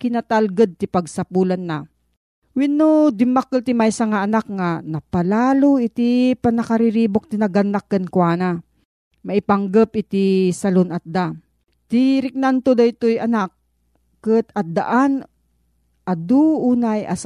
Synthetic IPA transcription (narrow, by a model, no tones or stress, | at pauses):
kɪnat̪alɡəd̪̚t̪ipaɡ̚sɐpulanːa | winːod̪ɪmakːɨt̪imajsaŋaʔɐnakŋanɐpalaːloit̪ipanɐkaɾiɾibok̚t̪inɐɡanːakːɛnkwaːna | mɐʔipaŋɡəp̚ɪt̪isɐlonat̪̚d̪a | t̪iɾɪk̚nant̪od̪ait̪ojɐnak̚ː | ət̪ɐt̪̚d̪a̰ʔan | ʔad̪uʔuːnajʔas